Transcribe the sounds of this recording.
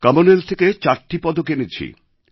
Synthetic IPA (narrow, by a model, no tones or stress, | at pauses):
kɐmonelt̪ʰeket͡ɕaɾʈipɔd̪okenit͡ɕʰḭ